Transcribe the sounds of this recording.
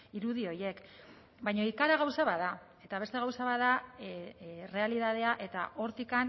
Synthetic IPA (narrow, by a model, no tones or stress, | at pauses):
iɾuðio̞je̞k | bajɲo̞ikaɾaɣawsaβaða | e̞t̪aβ̞e̞st̪e̞ɣawsaβaða | re̞aliðað̞e̞aʔe̞t̪a̰ʔo̞ɾt̪ikan